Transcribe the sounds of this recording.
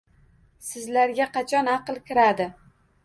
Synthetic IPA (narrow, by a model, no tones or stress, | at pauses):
sɪzlaɾɡʲaqʰɑt͡ʃʰɒnɑqlˠkʲɪɾad̪ɪ